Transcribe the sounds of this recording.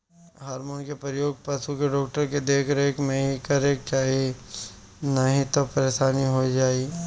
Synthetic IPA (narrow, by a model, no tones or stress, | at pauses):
ɦaːɾmoːnkepɾəjoːɡ̚pɐsukeɖɔːk̚ʈəɾked̪eːkʰɾɐɦekmẽɦikɐɾeːkt͡ʃaːi | nɐɦĩt̪opɐɾeːʃaːniɦod͡ʒaːi